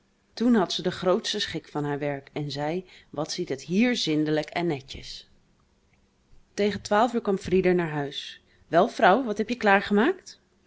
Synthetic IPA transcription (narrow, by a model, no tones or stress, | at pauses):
tunɦɑtsədəχrowtstəsχɪkfɑnɦaːɹʋɛɹkɛnzɛjʋɑtsitɦətɦiːɹzɪndələkɛnːɛcə̰s | tejχəntʋaːlˠfyːɹkʋɑmfridəɹnaːɹɦœɥs | ʋɛlˠfrʌwʋɑtɦɛpjəklaːɹχəmaːkt